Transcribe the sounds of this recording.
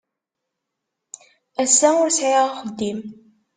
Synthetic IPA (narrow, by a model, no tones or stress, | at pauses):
æsːæʊɾsʕiʁaχəd̪ːim